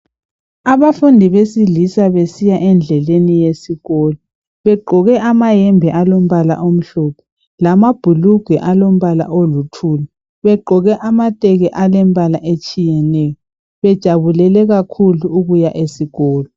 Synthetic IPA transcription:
aβafundʱiβesilisaβesijaʔɛnd͡ɮʱɛlenijesiɣɔːlɔ | βɛɡ͡ǃʱɔɣɛʔamajɛmbʱɛʔalom̩βala̰ʔom̩ɬɔpʰɔ | lamab̥ʱuluɡ̥ʱɛʔalom̩βala̰ʔolutʰuːla | βɛɡ͡ǃʱɔɣɛʔamatʼɛɣɛʔalɛmbʱʼalaʔet͡ʃʼijɛnɛːjɔ | βɛd̥ʒ̥ʱaβulɛlɛɣakʰuluuɣujaʔesiɣɔːlɔ

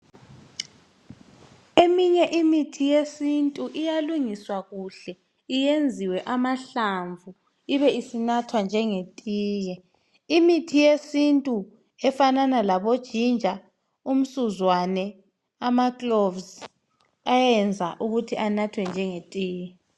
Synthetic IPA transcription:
emiɲɛʔimitʰijesintʼuʔijaluŋiswaɣuɬɛ | ijend͡zʱiwɛʔamaɬaɱvʱu | iβɛisinatʰwand͡ʒʱɛŋetʼiːjɛ | imitʰijesintʼu | ɛfananalaβod̥ʒ̥ʱind͡ʒʱa | um̩suzwanɛ | amaklovz | ajɛnd͡zʱaʔuɣutʰiʔanatʰwɛnd͡ʒʱɛŋetʼiːjɛ

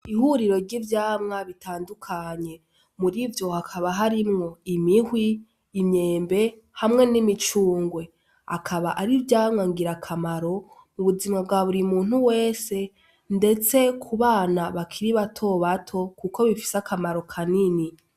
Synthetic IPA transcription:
ihuɾiɾo̞ɾɟivjaːmŋaβitʰaːndukʰaɲe̞ | muɾivjo̞hakʰaβaɦaɾimŋo̞imihwiː | mɲe̞ːmbe̞ | hamŋe̞nimit͡ʃuːŋɡwe̞ | akʰaβaʔaɾivjaːmŋaŋɡiɾakʰamaɾo̞ | muβuzimŋabɡaβuɾimuːn̥huwe̞ːse̞ | nde̞t͡se̞kʰuβaːnaβakʰiɾiβatʰo̞βatʰo̞kuko̞βifi̥sakʰamaɾo̞kʰanini

